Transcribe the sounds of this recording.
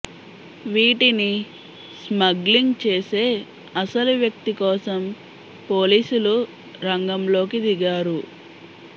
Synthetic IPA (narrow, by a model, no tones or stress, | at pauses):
ʋiːʈini | smɐɡliŋɡt͡ʃe̞ːse̞ː | ɐsɐluʋjɐk̚t̪ikɔːsɐm | po̞ːliːsulu | ɾɐŋɡɐmlo̞ːkid̪iɡaːɾu